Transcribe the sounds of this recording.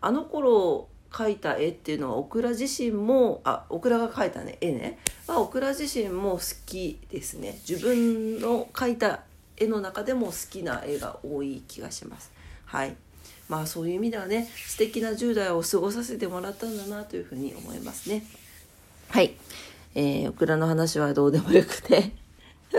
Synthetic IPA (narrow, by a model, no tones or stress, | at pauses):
ano̞ko̞ɾo̞ | kʰait̪aʔe̞t̪ːe̞iɯ̟no̞a̰o̞kɯ̟ɾaʑiɕĩmmo̞a̰okɯ̟ɾaɡakait̪a̰nḛʔenḛmao̞kɯ̟ɾaʑiɕĩmmo̞sɨ̥kʲid̪̥e̞sɨne̞̰d͡ʑibɯ̟̃nno̞kait̪a | e̞no̞nakad̪e̞mo̞sɨ̥kʲina̰ʔe̞ɡa̰o̞ːiːkʲiɡa̰ɕima̰sɨ̥hai | maːso̞ːjɯ̟imʲid̪e̞β̞ane̞sɨ̥t̪e̞kʲinaʑɨːd̪aio̞sɨɡo̞s̬as̬e̞t̪e̞mo̞ɾat̪ːanod̪anat̪o̞jɯ̟ɸɯ̟ːɲ̟ḭo̰mo̞̰ḭma̰sɨ̥ne̞ | hai | eːo̞̰kɯ̟ɾano̞hanaɕiβ̞ad̪o̞ːd̪e̞mo̞jo̞kɯ̟̥t̪ʰe̞